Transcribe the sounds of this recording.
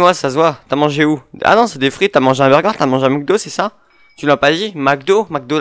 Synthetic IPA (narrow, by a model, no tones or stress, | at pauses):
wasasvwat̪amɑ̃ʒeua̰nɔ̃sɛd̪efχit̪yamɑ̃ʒeɛ̃bɛʁɡaʁt̪yamɑ̃ʒɛ̃mak̚d̪osɛsa | t̪ylapad̪imak̚d̪omak̚d̪o